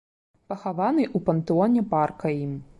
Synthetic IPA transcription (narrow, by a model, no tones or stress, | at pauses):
pɐxavanɨʔupɐnt̪ɨɔnʲɛparkɐjim